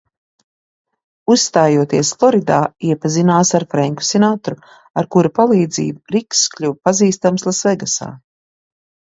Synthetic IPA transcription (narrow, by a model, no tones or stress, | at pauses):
usːt̪aːjuɔt̪iɛsflˠɔɾid̪aːiɛpazinaːsaɾfɾɛŋku̥sɛnaːt̪ɾu | aɾkuɾapalˠiːd̪zḭːbuɾiksklʲupaziːst̪amslˠasvɛɡasa̰ː